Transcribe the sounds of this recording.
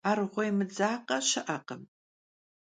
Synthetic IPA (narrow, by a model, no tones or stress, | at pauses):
aːrʁʷɔjmɨd͡zaːqɐʃɨʔɐqəm